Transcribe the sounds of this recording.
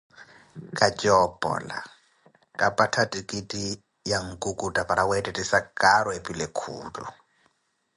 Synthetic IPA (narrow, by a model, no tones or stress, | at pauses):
kʼat͡ʃʼɔpʼɔ̰la̰ | kʼapʼatʰatʼikʼitʼi | jaŋ̩kʼukʼutʼapʼaɾʔawɛtʼɛtʼisakaɾɔepʼilekʰṵːlṵ